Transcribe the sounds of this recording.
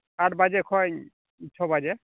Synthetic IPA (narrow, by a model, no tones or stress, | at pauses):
at̚bazɛkʰɔj | itʰɔbazɛ